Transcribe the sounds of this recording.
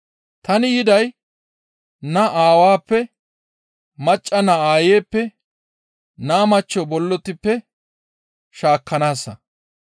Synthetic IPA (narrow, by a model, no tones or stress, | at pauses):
t̪ɐnɪjɪd̪ɐj | nɐʔaːwaːpːɛ | mɐt͡ʃʼːɐnɐaːjeːpːɛ | naːmɐt͡ʃːɔbɔlːɔt̪ɪpːɛ | ʃaːkːɐnaːsːɐ